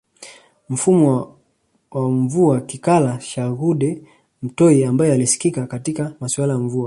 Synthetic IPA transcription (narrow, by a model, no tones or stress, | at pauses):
m̩fumɔ | waɱvuakikalaʃaɣuɗɛ | m̩tɔiambajɛalisi̥kikakatikamasuwalajaɱvua